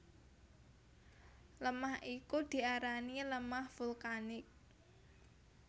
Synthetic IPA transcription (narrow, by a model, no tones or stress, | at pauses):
ləmahʔikud̪̥i̤aɾaniləmahfulkanɪk̚